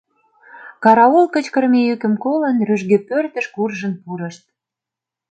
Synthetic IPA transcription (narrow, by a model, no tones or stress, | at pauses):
kɑɾɑolkət͡ɕkə̆rmejykə̆mkolə̆nryʒɣepørt̪ə̆ʃkurʒə̆npuɾə̆ʃt̪̚